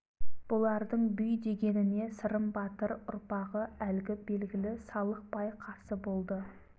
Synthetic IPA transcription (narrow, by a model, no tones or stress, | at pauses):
b̥ʊlˠɑɾd̪əɴbʏjd̪e̞ɡʲe̞nɪne̞səɾəmbɑt̪əɾʊɾpɑʁəælɪɡʲɪbe̞lɡʲɪlɪsɑlˠəq̚pɑjqʰɑɾsəbo̞lˠd̪ə